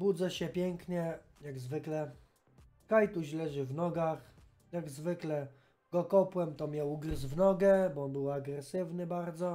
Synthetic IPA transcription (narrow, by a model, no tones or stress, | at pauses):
bud̪zɛɕɛpʲjɛŋkɲɛjaɡzvɘklɛ | kajt̪uʑlɛʐɘvnɔɡax | jaɡzvɘklɛ | ɡ̥ɔkɔpwɛmt̪ɔmʲjawuɡɾɘzvnɔɡɛbɔɔnbɘwaɡɾɛsɘvnɘbaɾd̪zɔ